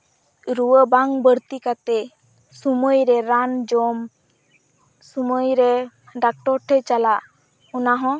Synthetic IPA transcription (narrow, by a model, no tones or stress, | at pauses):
ɾuwəbaŋbəɾt̪ikat̪ɛ | suməjɾɛɾand͡ʒɔm | suməjɾɛ | ɖak̚ʈɔɾʈʰɛt͡ʃalaʔ | unaɦɔ̃